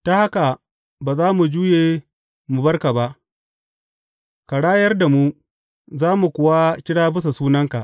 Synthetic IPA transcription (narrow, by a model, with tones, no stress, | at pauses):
ta˦ha˦ka˨ | baː˨zaː˦mu˨d͡ʒuː˦jeː˨ | mu˨bɐ˦rka˨ba˦ʔ | ka˨ɽaː˦jɐ˦rda˨mu˦ | zaː˦mu˨kʷʊ˨wa˦kʲɪ˦ɽaː˦bɪ˦s̬a˨suː˦nɐ˦ŋka˨ʔ